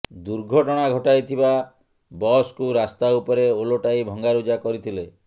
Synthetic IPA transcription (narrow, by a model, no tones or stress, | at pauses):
d̪uɾɡʱɔʈɔɽ̃aɡʱɔʈajt̪ʰiba | bɔskuɾast̪aupɔɾeoloʈajbʱɔŋɡaɾud͡ʒakɔɾit̪ʰile